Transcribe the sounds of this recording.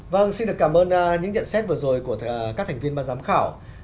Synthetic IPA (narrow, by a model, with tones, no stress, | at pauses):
və˧ŋsi˧nɗɨ˨˩əkaː˧˩mʔəː˧n˧ɲɨ̰˧˥ŋt͡ɕə̰˧˨nsɛ˦˥t̚vɨ˨˩əzo˨˩jku˧˩əkaː˦˥k̚t̪ʰŋ̟vi˧ənmɓaː˧zaː˨˦mxaː˧˩w